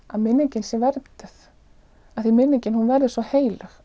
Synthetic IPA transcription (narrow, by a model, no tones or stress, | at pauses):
a̰ðmɪnːɪɲcɪnsɛvɛɾt̪ʏθ | aθimɪnːɪɲcɪnhunvɛɾðʏsvɔheːjlʏx